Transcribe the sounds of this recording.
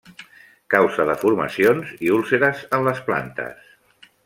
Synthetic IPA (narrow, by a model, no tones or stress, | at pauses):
kawzəðəfuɾmə̰sionziulˠseɾəzənləspla̰nt̪ə̰s